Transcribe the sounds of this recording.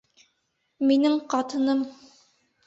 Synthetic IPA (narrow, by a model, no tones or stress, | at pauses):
minɘŋqɑt̪ɤ̆nɤm